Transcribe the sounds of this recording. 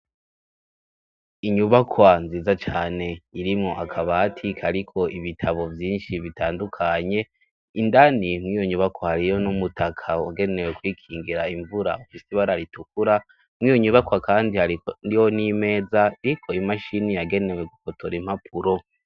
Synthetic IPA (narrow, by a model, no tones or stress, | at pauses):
iɲuβakʰwanziːzat͡ʃaːne̞iɾimŋo̞ʔakʰaβaːtʰikʰaɾikʰo̞iβitʰaβo̞vjiːnʃiβitaːndukʰaɲe̞ | indanimŋiːjo̞ɲuβakwahaɾijo̞numutakʰawaɡe̞ne̞wekwiːkʰiːŋɡiɾaiɱvuɾa̰ufisiβaɾaɾituk̚uɾa | mŋiːjoɲuβakwakaːndihaɾiijonime̞ːzaiɾikʰo̞imaʃinijaɡe̞ne̞weɡukotʰoɾim̥hapʰuɾo̞